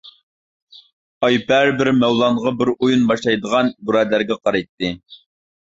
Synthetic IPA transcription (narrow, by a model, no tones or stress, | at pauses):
ɑjpʰæɾbɪɾmæwlˠɑɴʁɑbɪɾujunbɑʃlˠɑjd̪əʁɑnbuɾɛd̪læɾɡʲɛqʰɑɾɑjt̪ːɨ